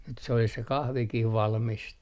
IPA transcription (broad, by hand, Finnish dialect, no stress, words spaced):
nyt se olis se kɑhʋikih ʋɑlmist